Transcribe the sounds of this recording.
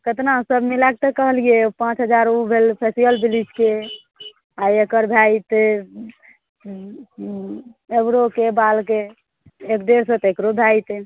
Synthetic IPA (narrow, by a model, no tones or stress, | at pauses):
kət̪naɦsəbmilak̚t̪əkəɦəliepãt͡ʃɦəd͡ʒaɾubʱelpʰesibəlbilid͡ʒke | ajekəɾbʱajt̪e | ebɾokebalkeː | kd̪eɾsə̃t̪ekɾobʱajt̪e